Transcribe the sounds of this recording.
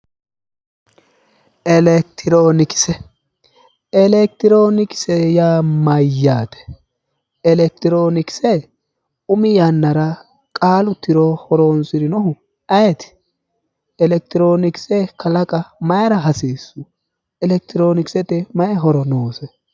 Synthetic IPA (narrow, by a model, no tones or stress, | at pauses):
ɛlɛk̚t̪ʰɪɾoːnɪkɪ̥sɛ | ɛlɛk̚t̪ɪɾoːnɪkɪ̥sɛjaːmɐjːaːt̪ɛ̥ | ɛlɛk̚t̪ɪɾo̞ːnɪkɪ̥sɛ | ʊmɪjɐnːɐɾɐ | kʼaːlʊt̪ːɪɾɔhɔɾoːnsɪɾɪnɔɦʊ | ɐjɛt̪ɪ̥ | ɛlɛk̚t̪ɪɾo̞ːnɪkɪ̥sɛkʰɐlɐkʼɐmɐjɐɾɐɦɐsiːsːʊ | ɛlɛk̚t̪ɪɾo̞ːnɪksɛt̪ɛmɐjɛɦɔɾɔnoːsɛ